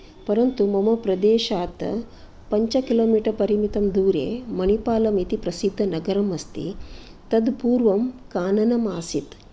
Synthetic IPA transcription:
pɐɾɐnt̪umɐmɐpɾɐd̪eːʃaːt̪ɐ̰ | pɐɲt͡ʃɐkiloːmiːʈɐɾpɐɾimit̪ɐmd̪uːɾḛmɐɳipaːlɐmit̪ipɾɐsid̪ʱːɐnɐɡɐɾɐmɐst̪ḭ | t̪ɐd̪puːɾʋɐmkaːnɐnɐmaːsit̪

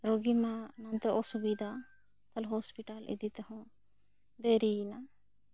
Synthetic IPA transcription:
ɾoɡimanãnt̪ɛʔɔsubid̪ʱa | t̪ɐlɦɔspiʈalḭd̪it̪ɛɦɔ̃ | d̪eɾina

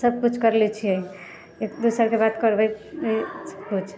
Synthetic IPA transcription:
səb̚kut͡ʃʰkəɾlit͡ʃʰiəi | ekd̪usəɾkebat̪kəɾbə | skut͡ʃʰ

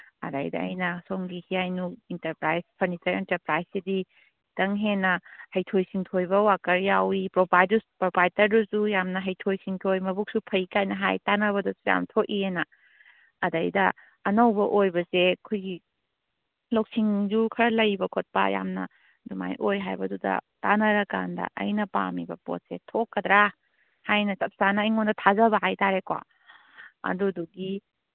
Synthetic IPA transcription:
ɐ̰da̰jdɐ̰ɐ̰jnɐsoŋɡihijajnuintɐɾpɾajspʰɐɾnisɐɾintɐɾpɾajsidi | tɐŋɦenɐhɐjtʰojsiŋtʰojbɐwakɐɾjawipɾobajduspɾopajdɐɾdusujamnɐɦɐjtʰojsiŋtʰojmɐbuk̚supʰɐikajnɐɦajtanɐβɐdɐsuja̰mtʰokienɐː | dajdɐ̰ː | nɐwbɐʔojbɐsekʰujɡi | lok̚siŋdukʰɐɾɐlɐjbɐkʰot̚pɐ̰ja̰mnɐ̰ | duma̰jʔojɦajbɐdudɐ̰tanɐɾɐka̰ndɐ̰ʔɐ̰jnɐpa̰mibɐ̰po̰t̚setʰokːɐdɾa | hajnɐsɐp̚sanɐijŋondɐtʰazɐbɐɦajtaɾekwa̰ | ɐ̰duduɡi

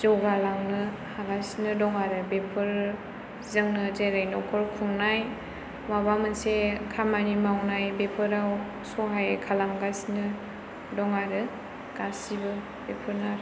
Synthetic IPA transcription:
zɔɡalaŋnɯ | haɡasinɯdɔŋaɾɯbepʰɯɾ | zɯŋnɯzeɾajnɔkʰɔɾkʰuŋnaj | mabamɯnsekʰamanimawnajbepʰɯɾaw | sɔɦajkʰalamɡasinɯ | dɔŋaɾɯ | ɡ̥asibɯ | bepʰɯɾnaɾ

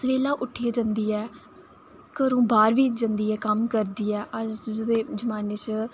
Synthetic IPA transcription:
sʋeːlãːʔʊʈʰːeːd͡ʒə̃nd̪iːɛː | kəɾũːbaːɾʋiːd͡ʒə̃nd̪iːɛːkəmkəɾd̪iːɛːʔəd͡ʒd͡ʒd̪eːd͡ʒəmaːneːt͡ʃ

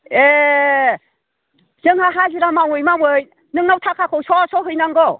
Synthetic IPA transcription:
e | zɯŋhaɦaziɾamawɯjmamɯj | nɯŋnawtʰakʰakʰɔwsʰɔsɔɦɯjnaŋɡɔ

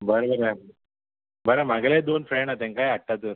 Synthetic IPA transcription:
bəɾbəɾa | bəɾamaɡled̪onfɾeɳɖat̪ãŋkajaʈːat̪əɾ

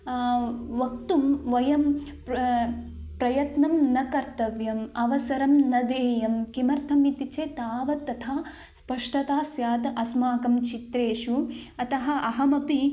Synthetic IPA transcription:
ʋɐk̚t̪umʋɐjɐm | pɾɐjɐt̪nɐmnɐkɐɾt̪ɐʋjɐmɐʋɐsɐɾɐmnɐd̪eːjɐmkimɐɾt̪ʰɐmit̪it͡ʃeːt̪aːʋɐt̪ːɐt̪ʰaː | spɐʂʈɐt̪aːsjaːt̪ɐʔɐsmaːkɐmt͡ʃit̪ɾeːʂuɐt̪ɐɦɐ̆ʔɐɦɐmɐpi

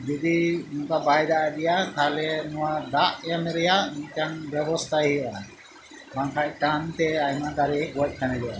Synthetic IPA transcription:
b̪id̪inukabajd̪aʔad̪ɛjat̪ʰalɛnɔwad̪aʔjamɛɾɛjaniɲt̪anbjɛbɔst̪ʰaɦiʔa | baŋkʰajʈant̪ɛajmad̪aɾɛɡuɔc̚ˀkanɛd̪ɛʔa

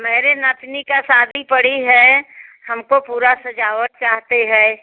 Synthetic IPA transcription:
meːɾenat̪nikasaːd̪ʱipəɽ̤iɦɛhəmkopuːɾasɐd͡ʒaːʋət̪̚t͡ʃaːɦt̪eɦɛ̃ː

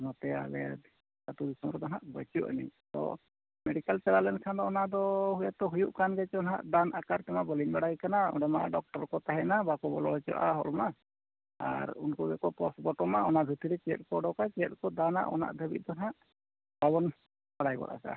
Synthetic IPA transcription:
mɔt̪ɛa̰lɛ̰ | sat̪ud̪isɔmɾɔd̪ɔnaʔbɔt͡ʃuʔa̰nḭt̪ɔ̰ | mɛɖikalsɛɾalɛnsand̪ɔɔnad̪ɔhujat̪ɔɦujuʔkanɡɛt͡ʃɔɔnɦa̰ʔd̪anakaɾt̪ɛmabɔlinbaɽajkanaɔ̰ɖɛma̰ɖɔk̚ʈɔɾkɔt̪aɦɛnabakɔbɔlɔɦɛt͡ʃɔ̰ʔaɦɔ̰lma | a̰ɾṵnkɔbɛkɔpɔsbɔʈɔmaɔnad̪ʱut̪iɾɛt͡ʃɛ̰t̪̚kɔɖɔwkat͡ʃɛt̪̚kɔd̪ana̰ʔɔ̰na̰ʔd̪ʱebḭt̪̚ˀd̪ɔnaʔ | babɔn | baɽajbɔ̰ɽa̰sa̰

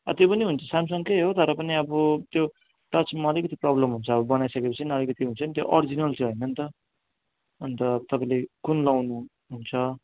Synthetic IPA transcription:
ʌ̰t̪jopʌniɦunt͡sʰʌsamsʌŋkeɦot̪ʌɾʌpʌniʌbʌt̪jo | ʈʌt͡smʌːlikʌt̪iprʌblʌmɦunt͡sʰʌʌbʌbʌnajsʌkepʌt͡sʰiniʌlikʌt̪iɦunt͡sʰʌnit̪joʔʌɾid͡zinʌlt͡sʰʌɦʌjnʌnt̪ʌ | ʌnt̪ʌt̪ʌpaĩlekunlawnu | ɦunt͡sʰʌ

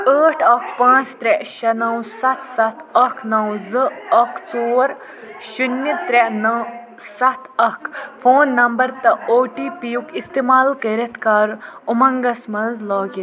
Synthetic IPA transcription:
əːʈʰɐkʰpãːt͡st̪ɾeʃɐnɐwsɐt̪ʰsɐt̪ʰɐkʰnɐwzɨɐkʰt͡soːɾ | ʃunːit̪ɾenɐw | sɐt̪ʰɐkʰfʰoːnːɐmbɐɾt̪ɐoːʈiːpijukist̪eːmaːlkɐɾɐt̪ʰkaːɾumɐŋɡɐsmɐnzlɔːɡit̪

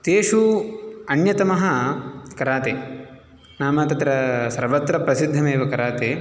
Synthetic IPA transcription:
t̪eːʂuɐnjɐt̪ɐmɐɦɐkɐɾaːt̪e | naːmɐt̪ɐt̪ɾɐsɐɾʋɐt̪ɾɐpɾɐsid̪ʱːɐmeːʋɐkɐɾaːt̪eː

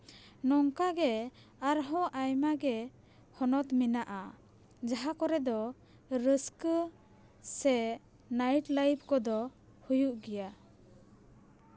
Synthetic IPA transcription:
nɔŋkaɡɛ | aɾɦɔ̃ʔajmaɡɛ | hɔnɔt̪minaʔa | d͡ʒaɦakɔɾɛd̪ɔ | ɾəskə | sɛ | najʈlajb̚kɔd̪ɔ | hujuʔɡɛja

